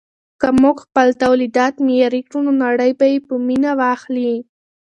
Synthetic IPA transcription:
kamoɡxpəlt̪awlid̪ɑt̪mijɑɾikɾunonaɽəjbajepəminawɑxli

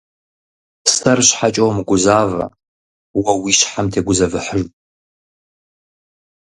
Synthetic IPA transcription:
sʰɐrɕħat͡ʃʼowmɡʷʊzaːvɐ̰ | wɐwiːɕħamtʰeːɡʷʊzɐvɨħəʒʼ

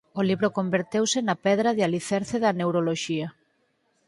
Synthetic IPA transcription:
oliβɾokombeɾt̪ewsɪnɐpɛðɾɐðealiθɛɾθeðɐnewɾoloʃiɐ

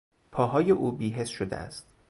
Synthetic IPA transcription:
pʰɒːɦɒːje̞ʔuːbiːɦe̞sʃod̪ḛʔæ̰st̪

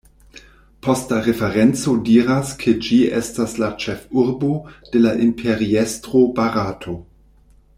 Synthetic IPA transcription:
postaʁefeʁent͡sodiːɾaskʰed͡ʒiʔḛstaslat͡ʃefuɾbod̥elaʔimpʰeɾiestʁobaɾatʰo̞

